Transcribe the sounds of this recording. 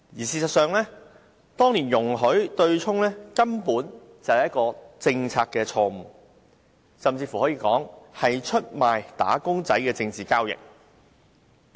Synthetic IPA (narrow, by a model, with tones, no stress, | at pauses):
jiː˨˩siː˧sɐ˨t̚sœː˨˧ŋlɛː˥ | t̪ɔː˥ŋniː˨˩njʊ˨˩ŋɦɵ˨˥ɥt̪ɵ˧ɥt͡ʃʰʊ˥ŋlɛː˥kɐ˥mpuː˨˥n | t͡sɐ˨˩whɐ˨jɐ˥t̚kɔː˧t͡sɪ˧ŋt͡sʰaː˧k̚ːɛː˧t͡sʰɔː˧m̩˨˩ | sɐ˨mt͡siː˧fu˨hɔː˨˥jiː˧kɔː˨˥ŋhɐ˨jt͡ʃʰɵ˥t̚maː˨jt̪a̰ː˨˥kʊ˥ŋt͡sɐ˨˥jkɛː˧t͡sɪ˧ŋt͡siː˨kaː˥wjɪ̰˨k̚